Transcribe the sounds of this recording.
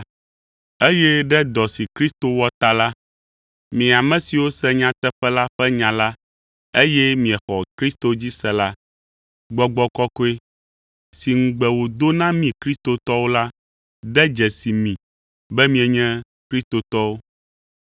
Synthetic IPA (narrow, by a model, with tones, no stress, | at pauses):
e˦jɛ˦ɖɛ˦d̪ɔ˨si˨kɾi˦st̪o˨wɔ˦t̪a˨la˦ | mĩ˨a˨mɛ̃˨si˨wo˦sɛ˦ɲã˦t̪ɛ˦ɸɛ˦la˦ɸɛ˦ɲã˨la˦ | e˦jɛ˦mĩ˨ɛ˨xɔ˨kɾi˦st̪o˨d͡ʑi˦sɛ˨la˦ | ɡ͡bɔ˨ɡ͡bɔ˦kɔ˦ko˦e˦ | si˨ŋ̩˨ɡ͡bɛ˨wo˨d̪o˦nã˦mĩ˨kɾi˦st̪o˨t̪ɔ˦wo˦la˦ | d̪ɛ˦d͡ʒɛ˨si˨mĩ˨ | bɛ˦mĩ˦ɛ˨ɲɛ̃˦ | kɾi˦st̪o˨t̪ɔ˦wo˦